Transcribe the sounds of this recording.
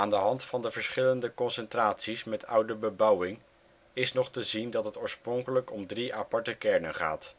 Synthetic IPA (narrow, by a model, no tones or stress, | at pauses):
aːndəɦɑntfɑndəvəɹsχɪləndəkɔnsɛntraːtsismɛtʌwdəbəbʌwɪŋ | ɪsnɔχtəzindɑtɦətoːɹsprɔŋkələkɔmdriʔapɑɹtəkɛɹnənχa̰ːt